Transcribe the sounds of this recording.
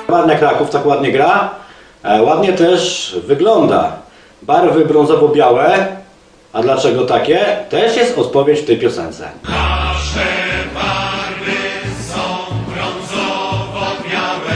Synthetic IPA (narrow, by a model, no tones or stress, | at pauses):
maɾɲakɾakuft̪akwad̪ɲɛɡɾa | wad̪ɲɛt̪ɛʂvɘɡlɔnd̪a̰ | baɾvɘbɾɔñzɔvɔbʲjawɛ | ad̪lat͡ʂɛɡɔt̪akʲɛt̪ɛʂjɛst̪ɔt̪̚pɔvʲjet͡ɕft̪ɛjpʲjɔsɛnt̪sɛ̰aʂɛbaɾvɪsɔ̃wbɾɔnzɔvɔbʲjawɛ